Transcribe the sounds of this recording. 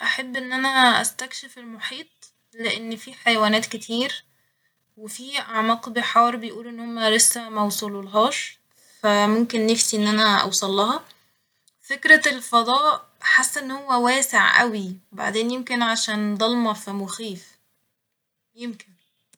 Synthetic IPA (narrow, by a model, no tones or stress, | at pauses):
ʔaħabːʔenːʔænææʔæ̰st̪ækʃefelmoħiːt̪ˤ | leʔenːfiːħajwæːnæːt̪kɪt̪ʰiːɾ | wefiːʔaʕmɑːqbeħɑːɾˤbejʔuːlʔenːhomːælesːæmɑwsˤulolɦɑːʃ | fæmomkenːefsiʔenːʔænæʔɑ̰wsˤɑlːɑhɑ | fekɾælfɑd̪ˤɑːʔ | ħasːʔenːhowːæwæːseʕʔæ̰wiba̰ʕd̪eːnjemkenʕaʃæːnd̪ˤɑlmɑfimoxiːf | jemkɪn